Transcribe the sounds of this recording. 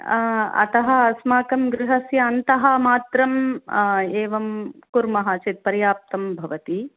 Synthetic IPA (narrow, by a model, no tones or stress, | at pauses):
ɐ̰t̪ɐɦɐ̆ɐsmaːkɐmɡɾɪɦɐsjɐːnt̪ɐɦɐ̆maːt̪ɾɐm | eːʋɐmkuɾmɐɦaːt͡ʃeːt̪̚pɐɾjaːp̚t̪ɐmbʱɐʋɐt̪i